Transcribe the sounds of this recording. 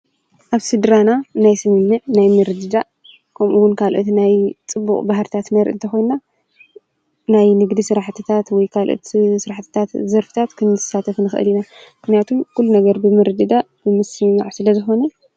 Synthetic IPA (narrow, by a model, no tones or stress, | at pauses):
ʔaβsɨd̪ɾananajsɨmɨnːɨʔnajmɨɾd̪ɨd̪aʔ | kʰɐmʔuwʊnkʰalʔot̪najt͡sʼɨbːṵkʼbahɦɾɨt̪ʰat̪nɐɾʔɨ̰nt̪ʰɐxo̞jnna | najnɨɡd̪isɨɾaħt̪ʰɨt̪ʰat̪wɔjkʰalʔo̰t̪sɨɾaħt̪ʰɨ̥t̪ʰat̪zɐɾfɨ̥t̪ʰat̪kʰɨnzɨsat̪ʰɐfnɨxʔɨ̰linamɨxnijat̪ʰumkʰulːunɐɡɐɾbɨmɨɾɨd̪ɨd̪a | b̥ɨmɨsɨmmaʕsɨlɐzɨxo̞nɐ